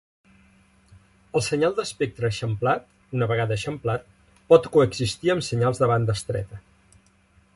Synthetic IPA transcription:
əlˠsəɲalˠd̪əspek̚t̪ɾəʃəmplat̪ | unəβəɣaðəʃəmplat̪̚ | pɔt̪kuəɡzist̪iəmsəɲalˠzðəβand̪əst̪ɾɛ̰t̪ə

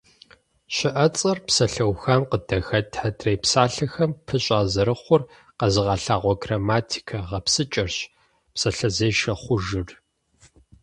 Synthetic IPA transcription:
ɕɪʔɐt͡sʼɐrpsɐɬɐwxɐmqədɐxɐtʰħadrejpsaːɬɐxɐmpʰɨɕʼaːzɐɾɨχʷʊr | qɐzɨʁɑːɬaːʁʷɔɡraːmaːtʰi̥kʰɐʁɐpsɨt͡ʃʼɐrɕ | psɐɬɐzeːʃɐχʷʊʒɨr

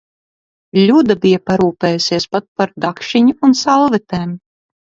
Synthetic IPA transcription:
lʲud̪abijapaɾuːpeːjusiɛspat̪̚paɾd̪akʃiɲuːnsalˠvɛt̪eːm

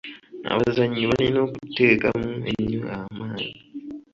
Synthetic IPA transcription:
a̰βazaɲːiβalino̞ːkute̞ːkamuḛɲːoamaːɲi

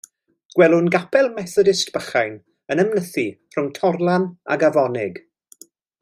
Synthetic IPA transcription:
ɡ̥wɛlˠʊnɡapʰɛlˠmɛθɔdɪstb̥əχajn | ənəmnəθi | r̥ʊŋtʰɔrlˠana̰ɡavɔnɪɡ

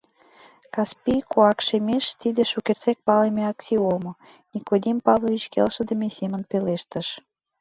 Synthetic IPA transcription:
kɑspʲikuɑkʃemeʃt̪id̪ĕʃukert͡sek̚pɑlemeɑksʲiomŏ | nʲikod̪ʲimpɑvlˠovʲit͡ɕkḛlʃə̆d̪ə̆mesemə̆npeleʃt̪ə̆ʃ

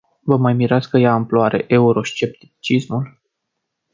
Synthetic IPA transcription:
vəmajmiɾat̪skəjaɨmploaɾʔe̞̰ʔe̞uɾo̞ʃt͡ʃe̞p̚t̪i̥t͡ʃismul

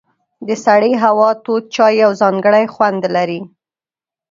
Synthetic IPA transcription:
d̪əsaɽiɦawɑt̪ot̪̚t͡ʃɑjːawzɑŋɡəɽajxwand̪laɾi

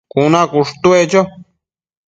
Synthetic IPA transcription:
kunãkuʂt̪uet͡ʃo

